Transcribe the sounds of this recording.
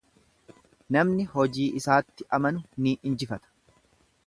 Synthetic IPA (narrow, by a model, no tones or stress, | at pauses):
nɐmnɪhɔd͡ʒiːʔɪsaːt̪ːɪʔɐmɐnʊniːʔɪnd͡ʒɪfɐt̪ɐ̥